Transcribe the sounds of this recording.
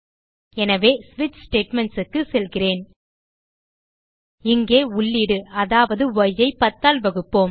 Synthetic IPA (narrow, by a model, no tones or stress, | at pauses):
ɛnɐʋeːsʋɪt͡ʃsʈeːʈmɛɳʈsɯkːɯsɛlɣɪreːn | ɪŋɡeːʊɭːɪɽɯɐðaːʋɐðɯʋɔjɐɪpɐt̪ːaːlʋɐɣɯpːoːm